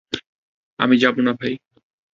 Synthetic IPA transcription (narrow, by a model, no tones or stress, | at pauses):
a̰mid͡ʑabunabʱaj